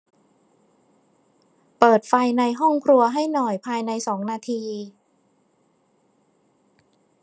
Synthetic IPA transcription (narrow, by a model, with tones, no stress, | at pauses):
pɤː˨˩t̪̚fa˧jna˧jɦɔ˥˩ŋkʰɾu˧ɐɦa˥˩jnɔ˨˩jpʰaː˧jna˧jsɔː˩˦ŋnaː˧t̪ʰiː˧